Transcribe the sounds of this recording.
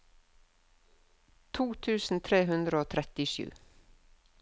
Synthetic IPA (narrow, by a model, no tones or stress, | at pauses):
t̪ʰuːt̪ʰʉːsn̩t̪ʰɾeːɦʉnd̪ɾəoːt̪ʰɾɛt̪ɪʃʉ̰ː